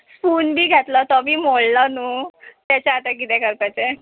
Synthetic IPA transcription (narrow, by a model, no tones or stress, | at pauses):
spuːnbʱiːɡʱɛt̪lɔt̪ɔbʱiːmoɭlɔnut̪jat͡ɕaat̪ak̬it̪ɛkəɾpat͡ɕe